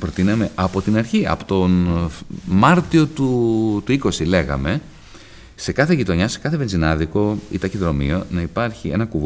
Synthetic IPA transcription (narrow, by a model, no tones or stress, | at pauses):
pɾo̞t̪inɐme̞ʔɐpo̞t̪inɐɾçiɐ̰pot̪o̞n | mɐɾt̪io̞t̪ut̪uiko̞sile̞ɣɐ̰me̞ | se̞kɐθeʝit̪o̞ɲɐse̞kɐθe̞ve̞nzinɐðiko̞ḭt̪ɐçiðɾo̞mḭo̞nɐipɐɾçie̞̰nɐkuv